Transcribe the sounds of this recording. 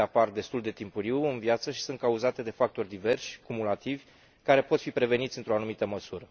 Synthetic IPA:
apard̪e̞st̪uld̪e̞t̪impuɾiwɨnvjat̪səʃi̥sɨnt̪kauzat̪e̞d̪e̞fak̚t̪o̞rʲd̪ive̞rʃkumulat̪ivʲ | kaɾe̞po̞t̪fipɾe̞ve̞nit̪sʲɨnt̪ɾo̞anumit̪əməsuɾə

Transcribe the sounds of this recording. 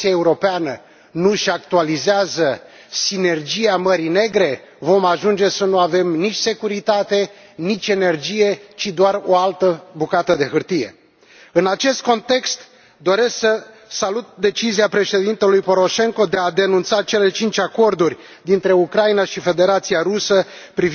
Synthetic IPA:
siaeuɾo̞peanə | nuʃakt̪ualizeazə | sine̞rd͡ʒijaməɾine̞ɡɾe̞vo̞maʒund͡ʒe̞sənuave̞mnit͡ʃʲse̞kuɾit̪at̪e̞ | nit͡ʃʲe̞ne̞rd͡ʒije̞t͡ʃid̪oaro̞alt̪əbukat̪əd̪e̞ɦɨrt̪ijḛ | ɨnat͡ʃe̞st̪̚ko̞nt̪e̞kst̪ | d̪o̞ɾe̞sksəsalut̪̚d̪e̞t͡ʃiziapɾe̞ʃe̞d̪int̪e̞lujpo̞ɾo̞ʃe̞ŋko̞d̪ead̪e̞nunt̪sat͡ʃe̞le̞t͡ʃint͡ʃʲako̞rd̪urʲ | d̪int̪ɾe̞ukɾainaʃife̞d̪e̞ɾat̪siaɾusə | pɾiv

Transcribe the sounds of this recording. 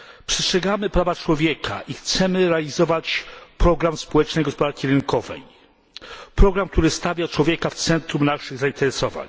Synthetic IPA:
pʂɛstʂɛɡamɘpɾavat͡ʂwɔvʲjɛkʰa̰ʔixt̪sɛmɘɾɛalʲizɔvat͡ɕpɾɔɡɾamspɔwɛt͡ʂnɛjɡɔspɔd̪aɾkʲiɾɘŋkɔvɛ̰j | pɾɔɡɾamk̚t̪uɾɘst̪avʲjat͡ʂwɔvʲjekaft̪sɛnt̪ɾumnaʂɘɣzaint̪ɛɾɛsɔva̰ɲ

